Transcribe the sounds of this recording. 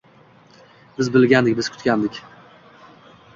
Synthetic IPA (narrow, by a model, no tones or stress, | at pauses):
b̥ɪzbɪlɡʲand̪ɪk̚ʲbɪz̥kʰʊ̥t̪kʲand̪ɪkʲ